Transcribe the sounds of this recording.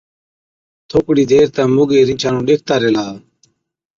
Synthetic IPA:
t̪ʰoːkɽiːd̪eːɾt̪ãːmʊɡeːɾɪ̃nt͡ʃʰãːnũːɗek̚ʰt̪aːɾelaː

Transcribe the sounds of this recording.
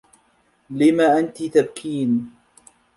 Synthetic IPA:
lɪmaːʔant̪it̪ab̚kʰiːn

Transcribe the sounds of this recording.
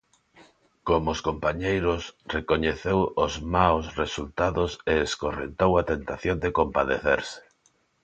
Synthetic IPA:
komʊskompaɲejɾʊsrekoɲeθewʊzmawsresult̪aðʊseːskorḛnt̪owat̪ent̪aθjõnd̪ekompaðeθeɾsɪ̥

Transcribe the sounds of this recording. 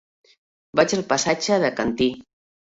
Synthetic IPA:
bat͡ʃalˠpasat͡ʃəðəkant̪i

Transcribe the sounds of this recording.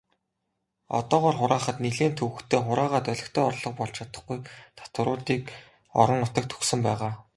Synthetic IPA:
ɔ̰t̪ɔːʁɔːrχʊɾaːχə̆t̪niɮeːnt̪ʰɵwɘ̆xt̪ʰeːχʊɾaːʁaːt̪œɮʲɪ̆kt̪ʰeːɔrɮɞ̆χpɔɮt͡ɕʰat̪ə̆χɡujt̪ʰḁt̪wə̆ɾʊːt̪iːk | ɔ̰ɾɞ̆ŋʊt̪ə̆k̚t̪ʰɵ̥xsɘ̆mpæːʁaː

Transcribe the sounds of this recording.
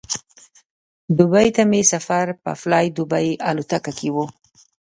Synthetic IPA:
d̪ʊbɑjt̪amesafaɾpə̰flɑjd̪ʊbajalut̪akakʰewu

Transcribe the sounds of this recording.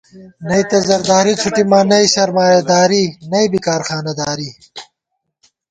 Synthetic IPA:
nɐit̪ɐzɐɾd̪aːɾit͡sʰuʈimaːnɐiɕɐɾmaːjɐd̪aːɾinɐibikaːɾxaːnɐd̪aːɾi

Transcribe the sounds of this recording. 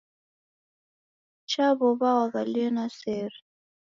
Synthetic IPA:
t͡ʃabɔbawaɣalnasɛɾ

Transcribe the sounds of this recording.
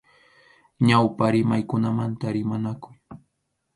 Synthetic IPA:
ɲawpaɾɪmajkʊnamant̪aɾɪmanakʊj

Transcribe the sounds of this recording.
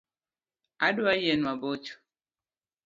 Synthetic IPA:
aduajenwabot͡ʃu̥

